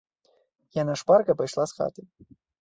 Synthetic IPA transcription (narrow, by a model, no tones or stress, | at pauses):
janaʂparkɐpajʂlˠasxa̰t̪ɨ